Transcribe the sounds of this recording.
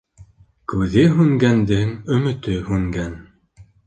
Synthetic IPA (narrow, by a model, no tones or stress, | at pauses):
kʉðɘɦʉŋɡænd̪ɘŋɵ̆mɵ̆t̪ɵhʉŋɡæn